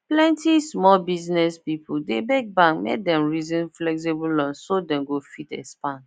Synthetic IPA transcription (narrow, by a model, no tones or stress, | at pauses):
plɛ̃ntismɔlbiznɛspipʰudebɛk̚bãŋkmḛk̚dɛ̃mɹizĩnflɛks̬ibulɔ̃nsodɛ̃mɡofitɛ̰spãn